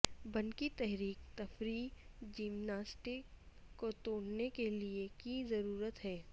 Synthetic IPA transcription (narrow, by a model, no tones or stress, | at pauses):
bɐnkit̪ɛɦɾiːkt̪ɐfɾiːd͡ʒɪmnaːsʈɪkːot̪oːɽnekeliekizɐɾuːɾət̪ɦɛː